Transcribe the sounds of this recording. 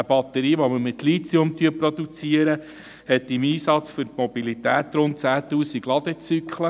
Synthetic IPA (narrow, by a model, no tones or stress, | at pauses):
əb̥ɑt̪ːəɾiːʋoməmɪt̪lit͡sjomt̪yəpɾod̪ut͡siəɾə | hɛt̪ːɪmiːsɑt͡sfʏɾtmɔb̥ilit̪æːt̪ɾʊnt̚t͡sæːt̪uːsiɡlɑd̪ət͡sykχlə